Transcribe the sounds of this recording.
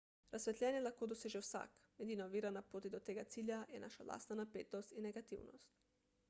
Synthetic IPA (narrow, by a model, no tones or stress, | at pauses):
ɾasʋʲɛt̪lʲɛːnjɛlaxkoːd̪oseʒɛwsa̰ːkmɛd̪inoʋiːɾanapɾoːt̪id̪ot̪eːɡat̪siːlʲjajɛna̰ʃalʔa̰ːst̪nanapeːt̪ɔst̪inɛɡat̪ḭwnɔ̰st̪